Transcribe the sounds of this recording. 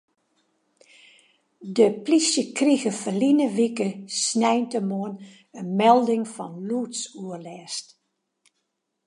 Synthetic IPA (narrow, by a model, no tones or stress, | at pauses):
dəplisjəkriɣəfəlinəʋikəsnɛjntəmoən | ənmɛlˠdɪŋfɔnluːtsuərlɛːst